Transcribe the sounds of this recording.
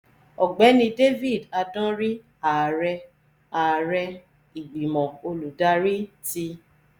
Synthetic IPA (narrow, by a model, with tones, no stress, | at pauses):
ɔ˨ɡ͡bɛ˨˦nĩ˧de˦vi˦˨da˧dã˦ɾi˦ | a˨ɾɛ˧ | a˨ɾɛ˧ | i˨ɡ͡bi˨mɔ̃˨o˧lu˨da˦ɾi˦ti˧